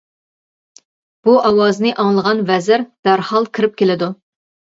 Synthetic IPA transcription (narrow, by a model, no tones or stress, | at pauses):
b̥uʔɑwɑznɨʔɑŋlˠəʁɑnvɛzɪɾd̪̥æɾhɑlˠkʲʰɪɾɪp̚kʲelɪd̪u